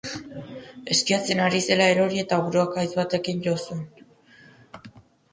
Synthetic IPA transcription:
e̞skiat͡se̞naɾise̞lae̞ɾo̞ɾie̞t̪aβuɾoakajzβat̪e̞kinʝosun

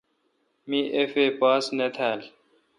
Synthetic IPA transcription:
miʔefeːpaːsnet̪ʰæːl

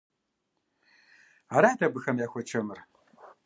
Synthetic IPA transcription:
aːɾaːdʰɐbɨxɐmjaːxʷɔt͡ʃʰɐmɨr

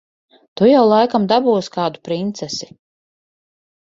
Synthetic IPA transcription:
t̪ujawlˠajkamd̪abuːskaːd̪upɾint̪sɛsi

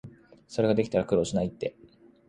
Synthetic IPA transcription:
so̞ɾe̞ɡad̪e̞kʲi̥t̪aɾakɯ̟ɾo̞ːɕinait̪ːe̞

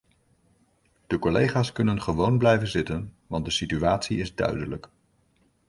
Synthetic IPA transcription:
d̥əkɔlejχaːskɵnənχəʋownblɛjvənzɪtən | ʋɑnt̚dəsityaːtsiɪzdœ̰ɥdələk

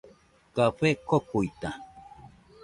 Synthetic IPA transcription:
kaɸekokuit̪a

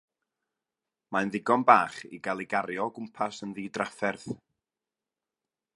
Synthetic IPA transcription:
manðɪɡɔnbaːχḭɡalˠiɡaɾjɔɡʊmpʰasənðiːdrafɛrθ

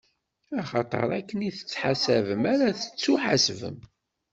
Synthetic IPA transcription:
æχɑt̪ˤə̰ɾˤækːəniθə̥t͡sːħasævəmæɾæθə̥t͡sːuħasvə̰m

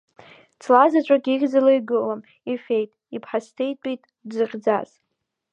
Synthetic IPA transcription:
t͡sʰlazat͡ʃʷʼaɡʲiɡʲd͡zalajɡɨlam | ifejtʼipʰħastʰejtʷʼitʼ | dzɨχʲd͡zaz̥

